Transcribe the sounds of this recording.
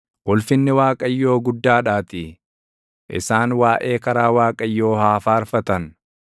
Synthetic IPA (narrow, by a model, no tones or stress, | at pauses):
wɔlfɪnːɪwaːkʼɐjːo̞ːɡʊd̪ːaːᶑaːt̪ɪ | ʔɪ̰saːnwaːʔe̞ːkɐɾaːwaːkʼɐjːo̞ːhaːfaːɾfɐt̪ɐn